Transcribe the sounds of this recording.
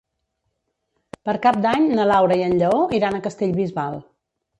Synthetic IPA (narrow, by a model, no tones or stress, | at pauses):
pəɾkap̚d̪aɲnəlawɾəiənʎəoiɾanəkəst̪eʎβizβalˠ